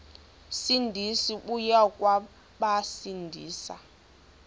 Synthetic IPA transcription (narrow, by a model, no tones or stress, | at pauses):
sindʱisiɓujakʼwa | ɓasindʱiːsa